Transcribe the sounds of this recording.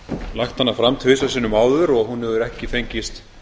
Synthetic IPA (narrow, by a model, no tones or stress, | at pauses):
laxt̪hanːafɾamt̪ʰvɪs̬asɪnːʏmaːwðʏɾɔɣhunhɛðʏɾɛhcɪfejɲcɪst̪